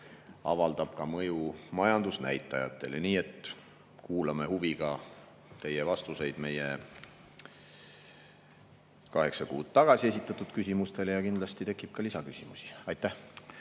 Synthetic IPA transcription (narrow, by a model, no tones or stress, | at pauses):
ɑ̰vɑld̪ɑb̥̚kɑmɤjumɑjɑnd̪usnæ̰jt̪ːˑɑjɑ̰t̪ːˑe̞̰leniːe̞t̪ | kuːlɑme̞huviɡ̥ɑ | t̪e̞jevɑst̪use̞jd̪̥me̞je | kɑɦe̞ksɑkuːd̪̥̚t̪ɑɡ̥ɑsie̞s̬ʲit̪ːˑɑt̪ːˑud̪̥kys̬ʲimust̪e̞lejɑkind̪lɑst̪it̪e̞kːˑip̚kɑlisɑkysʲimusi̥ɑjt̪ːˑæ